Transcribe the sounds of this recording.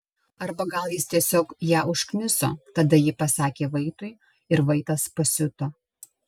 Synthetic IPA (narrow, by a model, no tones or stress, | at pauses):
ɐɾbɐɡɐlˠjɪst̪ʲiɛsʲoːkjæːʊʃknʲɪso̰ːt̪ɐd̪ɐjɪpɐsɑːkʲeːʋɐɪt̪ʊɪ | ɪɾʋɐɪt̪ɐspɐsʲʊt̪o